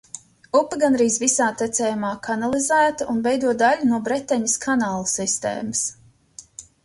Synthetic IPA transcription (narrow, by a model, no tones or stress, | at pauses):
upːəɡanɾiːzvisaːt̪ɛt̪sɛːjumaːkʰanalˠizæːt̪ɐʔunvɛjd̪uɔt̪̚d̪aʎʲunuɔbɾɛt̪ːɛɲiskʰanaːlˠsist̪ḛːməs